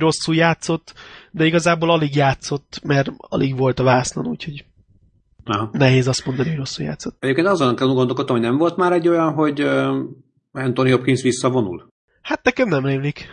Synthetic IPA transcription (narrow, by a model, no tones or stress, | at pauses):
ro̞sːuːjaːt̪so̞t̪ːd̪ɛiɡɒzaːbolɒliɡjaːt̪so̞t̪ːmɛrɒ̰lʔiɡʋo̞lt̪ɒvaːlslɒ̰nṵːcho̞ɟ | ɒɦɑnɛɦeːzɒst̪mo̞nd̪ɒnihojro̞sːuːja̰ːt̪sot̪ːɛɟeːpkeːnt̪ɒzonːɑŋkɛlɛnuɡond̪o̞lkot̪ːomhonɛɱvo̞lt̪maːɾɛɟːo̞jɒnɦo̞ɟ | ɛnt̪onijopkinsʋisːɒvo̞nṵl | hat̪nɛkɛmnɛmreːmlik